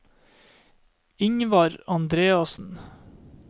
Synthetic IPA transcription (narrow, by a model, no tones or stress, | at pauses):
ɪŋʋɑɾɑnd̪ɾeːɑsn̩